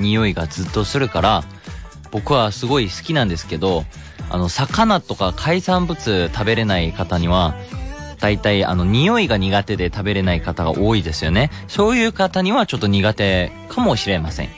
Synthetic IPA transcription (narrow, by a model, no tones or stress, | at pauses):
ɲ̟ijo̞iɡad͡zɨt̪ːo̞sɨɾɯ̟kaɾa | b̥o̞kɯ̟βasɨɡo̞isɨ̥kʲinãnd̪e̞sɨ̥ked̪o̞ | a̰no̞sakanat̪o̞kakʰaisãmbɯ̟t͡sɨt̪abe̞ɾe̞naikat̪aɲ̟iβ̞a | d̪̥ait̪aia̰no̞ɲ̟ijo̞iɡaɲ̟iɡat̪e̞d̪e̞t̪abe̞ɾe̞naikat̪aɡa̰ʔo̞ːid̪e̞sɨjo̞ne̞so̞ːjɯ̟ːkat̪aɲ̟iβat͡ɕo̞t̪ːo̞ɲ̟iɡat̪e̞ | kʰamo̞ɕiɾe̞masḛ̃ŋ